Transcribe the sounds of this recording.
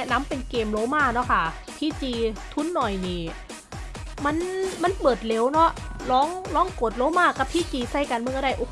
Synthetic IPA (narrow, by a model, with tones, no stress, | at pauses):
ɛ˧˥na˧˥˨mpe˧nkeː˧mloː˧˥maː˧˥˩nɔ˦˥˩kʰa˥˩ | t̪ʰiː˧˥˩t͡ɕiː˧t̪ʰu˦˥˨nːɔ˨˩jniː˧˩ | ma˧˥˨nma˧˥˨npɤː˨˩t̪̚le˧˥wnɔ˦˥ʔlɔː˦˥ŋlɔː˦˥ŋkoː˨˩t̪̚loː˧˥maː˥˩ka˧˩p̚t̪ʰiː˧˥˩t͡ɕiː˧sa˥˩jkaː˧nmɯ˧˨ŋkɔ˧˩da˥˩jʔo˧˩